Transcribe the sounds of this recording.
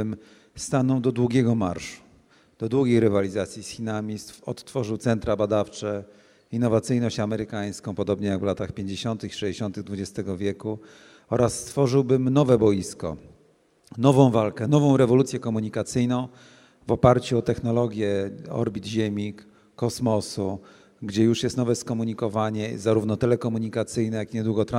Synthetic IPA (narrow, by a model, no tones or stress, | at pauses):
m | st̪anɔ̃w̃d̪ɔd̪wuɡʲjɛɡɔmaɾʂu̥ | d̪̥ɔd̪wuɡʲejɾɘvalʲizat̪sʲjisxʲinamʲist̪fɔ̰t̪t̪ːfɔʐɘwt̪sɛnt̪ɾabad̪aft͡ʂɛ | inːɔvat̪sɘjnɔɕt͡ɕamɛɾɘkaj̃skɔ̃w̃pɔd̪ɔbɲɛjaɡvlat̪axpʲjeɲd͡ʑeɕɔnt̪ɘxiʂɛd͡ʑeɕɔnt̪ɘɣd̪vud͡ʑɛst̪ɛɡɔvʲjɛku | ɔɾasːt̪fɔʐɘwbɘmnɔvɛbɔjiskɔ̰ | nɔvɔ̃w̃valkɛnɔvɔ̃w̃ɾɛvɔlut̪sʲjɛkɔmuɲikat̪sɘjnɔ̃w̃ | vɔpaɾt͡ɕuɔt̪ɛxnɔlɔɡʲjɛɔ̰ɾbʲid̪ʑemʲikː | ɔsmɔsu | ɡd͡ʑɛjuʂjɛst̪nɔvɛskɔmuɲikɔvaɲɛzaɾuvn̪ɔt̪ɛlɛkɔmuɲikat̪sɘjnɛjakiɲɛd̪wuɡɔt̪ɾã